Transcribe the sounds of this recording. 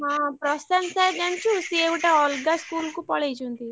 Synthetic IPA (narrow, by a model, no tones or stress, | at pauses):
aːpɾɐsɐnsɐd͡ʒɐnt͡ʃuːsieːʋiʈɐɔːlɡaskuːlkupɔːleːd͡ʒund̪i